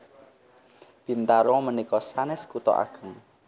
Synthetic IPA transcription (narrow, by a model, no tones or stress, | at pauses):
b̥i̤nt̪aɾɔmənikɔsanɛskut̪ɔ̰ʔa̰ɡ̥ə̤ŋ